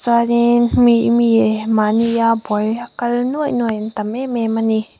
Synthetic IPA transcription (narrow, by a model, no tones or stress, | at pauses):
saɾinmimiemanijabɔjakalnujnujntamememani